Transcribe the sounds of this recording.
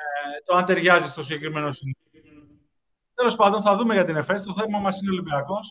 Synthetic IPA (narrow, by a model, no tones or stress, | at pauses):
t̪oɐnt̪e̞ɾʝɐzist̪o̞siɟe̞kɾime̞no̞sin | t̪e̞lo̞spɐnd̪o̞nθɐðume̞ʝɐt̪ine̞fe̞st̪o̞θe̞vmɐmɐsineolibiɐko̞s